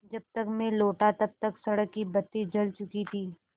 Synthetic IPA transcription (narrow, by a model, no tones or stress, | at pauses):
d͡ʒɐb̚t̪əkmẽloːʈat̪ɐb̚t̪ɐksɐɽəkːibɐt̪ːid͡ʒɐlt͡ʃʊkit̪ʰiː